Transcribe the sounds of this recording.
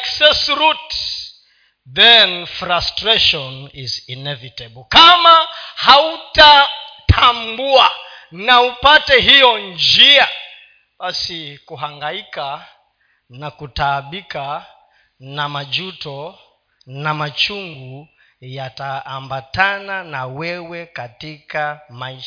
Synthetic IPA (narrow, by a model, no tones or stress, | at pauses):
aksɛsɾut | ðɛnfɾastɾɛʃɔnizinɛvitɛbɔlkamahautatʰambua | naupatɛɦijɔnd͡ʒia | ɓasikuɦaŋɡaika | nakutaɓika | namad͡ʒutɔ | namat͡ʃuŋɡu | jataːmbatananawɛwɛkatikamaiʃ